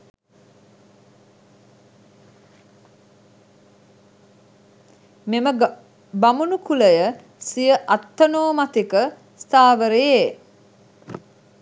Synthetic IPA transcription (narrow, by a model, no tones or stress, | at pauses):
memə | bamunukuləjə | sijəʔat̪ːənoːmat̪ekə | st̪aːʋəɾeje